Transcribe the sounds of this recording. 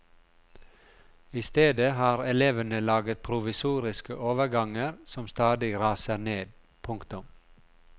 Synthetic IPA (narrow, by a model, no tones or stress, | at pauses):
ɪst̪eːd̪əhɑːɾɛleːʋənəlɑːɡət̪̚pʰɾʊʋɪsuːɾɪskə̰ʔoːʋəɾɡɑŋəɾsɔmst̪ɑːd̪ɪɾɑːsəɾneːd̪̚ | pʰʊŋkt̪ʊm